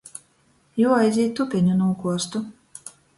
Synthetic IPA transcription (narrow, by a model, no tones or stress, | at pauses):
juːajzʲiːtt̪ːupʲɛɲʲunuːkuɔst̪u